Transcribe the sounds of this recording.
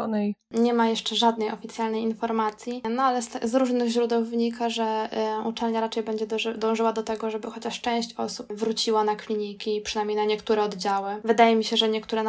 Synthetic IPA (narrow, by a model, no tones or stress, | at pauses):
nɛ | ɲɛmajɛʂt͡ʂɛʐad̪nɛjɔfʲit̪sʲjalnɛjinfɔɾmat̪sʲjinɔalɛst̪ɛzɾuʐnɘɣʑɾud̪ɛwvɲikaʐɛut͡ʂɛlɲaɾat͡ʂɛjbɛɲd͡ʑɛd̪d̪ɔ̃w̃ʐɘwad̪ɔt̪ɛɡɔʐɛbɘxɔt͡ɕaʂt͡ʂɛ̃w̃ɕt͡ɕɔsupvɾut͡ɕiwanaklʲiɲikʲipʂɨ̥najmɲejnaɲɛkt̪uɾɛɔd̪d͡ʑawɘvɘd̪ajɛmʲiɕɛʐɛɲɛkt̪uɾɛ